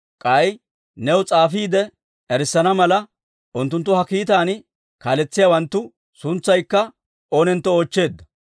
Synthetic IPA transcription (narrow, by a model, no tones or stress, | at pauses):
kʼɐj | nɛwt͡sʼaːfiːd̪ɛ | ɛɾɪsːɐnɐmɐlɐ | ʔʊnt̪ːʊnt̪ːʊhɐkiːt̪̬aːn | kaːlɛt͡sːɪjawɐnt̪ːʊ | sʊnt͡sːɐjkːɐ | oːnɛnt̪ːɔoːt͡ʃːe̞ːd̪ːɐ̥